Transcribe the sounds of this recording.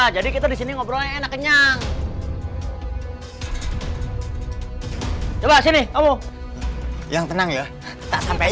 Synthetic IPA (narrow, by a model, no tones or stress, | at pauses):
d͡ʒadikit̪adisiniŋobɾoaenakːəɲaŋ | t͡ʃobasinɪkamo | jaŋt̪ənaŋja | t̪aʔsampa